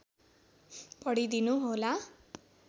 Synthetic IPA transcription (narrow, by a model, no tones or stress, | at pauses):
pʌɽid̪inuɦola